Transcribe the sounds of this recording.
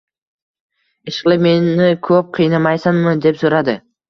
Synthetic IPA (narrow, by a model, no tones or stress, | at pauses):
eʃlˠemenikʰɵp̚qʰijnɑmɑjsɯɴmɯd̪e̞psuɾɑd̪ɯ